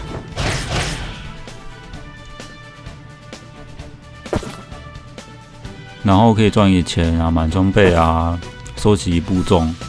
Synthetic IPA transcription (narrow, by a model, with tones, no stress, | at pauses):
na˨˦nho˥˧ʊkʰəː˦˥i˨t͡swa˥˧nɛ˥˩t͡ɕʰjɛ˨˦na˨ma˨nɕʰɔ˥ŋpe˥˧ɪa˧sɔ˥˦t͡ɕʰi˨pu˥˧t͡sɔ˥˧˨ŋ